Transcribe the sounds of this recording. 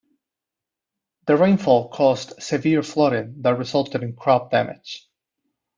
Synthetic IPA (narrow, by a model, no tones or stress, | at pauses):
ðɨɹẽɪ̃nfɔlˠkʰɔstsɨvɪɹflɔɾɪ̃ŋðət̚ɹɨzʌlˠtɨɾɨ̃nkʰɹ̥ɑp̚d̥æmɪ̰d̥ʒ̥